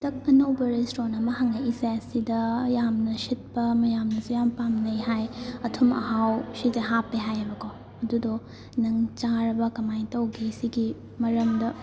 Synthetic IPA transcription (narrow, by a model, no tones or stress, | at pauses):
tɐk̚ɐnɐwbɐɾestɾonɐmɐɦɐŋɐisasidɐjamnɐsit̚pɐmɐjamnɐsujampamnɐjɦajɐtʰumɐ̰ɦawsitɐɦapːeɦajɐbɐkʰo | ɐdudɔ | nɐŋt͡ʃaɾɐbɐkɐmajtɐwɡisiɡi | mɐɾɐmdɐ